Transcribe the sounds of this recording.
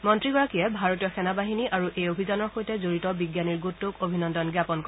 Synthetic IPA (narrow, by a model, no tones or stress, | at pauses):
mɔntɹiɡɔɹakijɛbʱaɹotijɔxɛnabaɦiniʔaɹuʔejobʱizanɔɹxojtɛzoɹitɔbiɡjaniɹɡutːokobʱinɔndɔnɡjapɔnkɔ